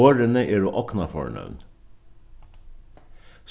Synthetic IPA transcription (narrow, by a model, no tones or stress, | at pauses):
oːɾənəʔeːɾoːʔɔknɑfɔ̰ɳœ̰ʋn | s